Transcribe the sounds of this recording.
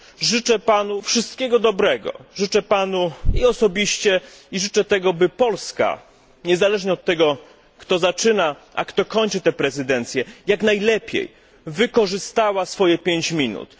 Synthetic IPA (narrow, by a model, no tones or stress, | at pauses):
ʐɘt͡ʂɛpanufʂɘst̪̚kʲɛɡɔd̪ɔbɾɛɡɔ̰ʐɘt͡ʂɛpanuiɔsɔbʲiɕt͡ɕɛ | iʐɘt͡ʂɛt̪ɛɡɔbɘpɔlska̰ | ɲɛzalɛʐɲɛɔt̪ːɛɡɔ | kt̪ɔzat͡ʂɘnaʔa̰kt̪ɔkɔɲt͡ʂɘt̪ɛpɾɛzɘd̪ɛnt̪sʲjɛjaknajlɛpʲjḛj | vɘkɔʐɘst̪awasfɔjɛpʲjeɲt͡ɕmʲinṵt̪